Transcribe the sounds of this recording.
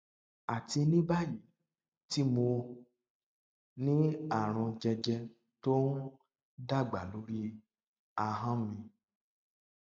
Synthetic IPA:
a˨ti˧nĩ˦ba˦˨ji˨ | ti˦mo˧ | nĩ˦a˦˨ɾ̃ɔ̃˧d͡ʒɛ˧d͡ʒɛ˧ | to˦n˦ | da˦˨ɡ͡ba˨lo˨˦ɾi˦ | a˧ɦã˦mĩ˧

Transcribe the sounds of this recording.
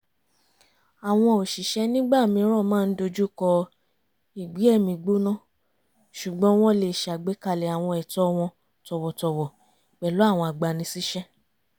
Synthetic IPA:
a˨w̃ɔ̃˧o˨ʃi˨ʃɛ˦nĩ˦ɡ͡ba˦˨mĩ˧˦ɾ̃ɔ̃˦˨mãː˦˧n̩˦do˧d͡ʒu˦kɔ˧ | i˨ɡ͡bi˨˦ɛ˦˨mĩ˧ɡ͡bo˦nã˦˨ | ʃu˨ɡ͡bɔ̃˦w̃ɔ̃˦le˧˨ʃa˨ɡ͡be˨˦ka˧lɛ˨a˨w̃ɔ̃˧ɛ˨tɔ˦w̃ɔ̃˧ | tɔ˧wɔ˨tɔ˧wɔ˨ | k͡pɛ˨lo˨˦a˦˨w̃ɔ̃˧˨a˨ɡ͡ba˨nĩ˧si˦ʃɛ˦

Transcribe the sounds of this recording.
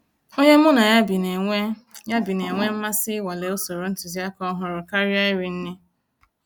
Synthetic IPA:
o˦ɲe˦mʊ˦na˨ja˦bi˨ne˨e˦ja˦bi˨ne˨ŋʷe˦m̩˦ma˦sɪ˦wa˨le˨o˦so˨ɾo˨n̩˦tʊ˨zi˦a˦kɔ˦ɦʊ˦ɾʊ˨ka˦ɾja˦ɪ˦ɾɪ˨n̩˦nɪ˦

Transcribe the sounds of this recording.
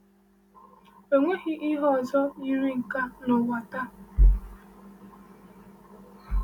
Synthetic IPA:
o˨ŋʷe˦ɣɪ˦ʔi˦ɦɔ˦˨zɔ˦i˦ɾi˦ŋ̩˨ka˦nɔ˨wa˨ta˦

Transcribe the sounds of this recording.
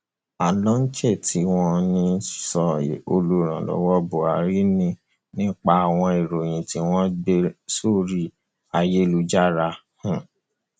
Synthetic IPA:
a˨lɔ̃˦n̩˦t͡ʃɛ˦˨ti˧˦w̃ɔ̃˧nĩ˧˦sɔ˧˨o˧lo˧ɾ̃ã˨lɔ̰˨wɔ˦bo˨a˨ɾi˦nĩ˦˧ | nĩ˦k͡pa˧a˨w̃ɔ̃˧i˨ɾo˨j̃ĩ˨ti˨˦w̃ɔ̃˦de˧so˦˨ɾi˦˨ | a˧je˦lu˧d͡ʒa˦ɾa˧ | hũ˦˨

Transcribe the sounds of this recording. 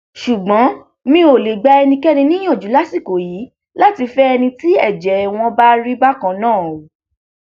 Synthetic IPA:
ʃu˨ɡ͡bɔ̃˨˦ | mĩ˦o˨le˨ɡ͡ba˧ɛ˧nĩ˧kɛ˦nĩ˧nĩ˦j̃ɔ̃˦˨d͡ʒu˨˦la˦si˦˨ko˨jiː˨˦ | la˦ti˧fɛ˦ɛ˧nĩ˧ti˦ɛ˦˨d͡ʒɛ˨˦˨w̃ɔ̃˧ba˦ɾi˦ba˦kã˧˨nãː˦˨o˨

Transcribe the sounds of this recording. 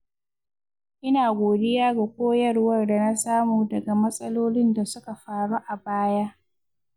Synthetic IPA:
ʔɪ˦naː˨ɡʷoː˨dɪ˦jaː˦ɡa˨kʷoː˦jɐ˦rwɐ˦rda˨na˦saː˦muː˨dɐ˨ɡa˨mɐ˦sʼɐ˦loː˦lɪ˦nda˨sʊ˦ka˨ɸaː˨ɽu˦ʔa˨baː˦ja˦ʔ

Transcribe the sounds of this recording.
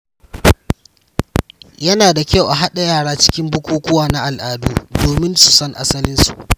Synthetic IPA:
jɐ˦naː˨da˨kʲa˦wʔa˨ɦa˦ɗa˨jaː˦˨ɽaː˦t͡ʃɪ̥˦kʲɪ˦mbʊ˦kʷoː˦kʷʊ˦waː˨na˦ʔa˨lʔaː˨duː˦doː˨mɪ˦nsu˨sɔ˦ŋʔa̰˦sɐ˦lɪ˦nsu˨ʔ

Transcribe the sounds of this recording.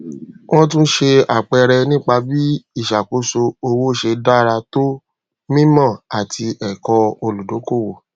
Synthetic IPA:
w̃ɔ̃˦t̬ũ˦ʃe˧a˨k͡pɛ˧ɾɛ˧nĩ˦k͡pa˧bi˦i˦˨ʃa˨ko˨˦so˧o˧wo˦ʃe˧da˦˨ɾa˧to˦ | mĩ˦mã˦˨a˨tʰi˧ɛ˨kɔ˧o˧lu˨do˨˦ko˦˨wo˨

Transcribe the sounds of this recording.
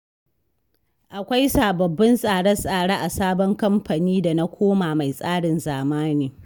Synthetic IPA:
ʔa˨kʷa˦jsaː˨bɐ˨bːɐ˦nsʼaː˨ɽɐ˦sʼaː˨ɽaː˦ʔa˨saː˦bɔ˦ŋkɐ˦mɸa˨niː˦da˨na˦kʷʰoː˦maː˨ma˨jsʼaː˦ɽɪ˨nzaː˨maː˦neː˨

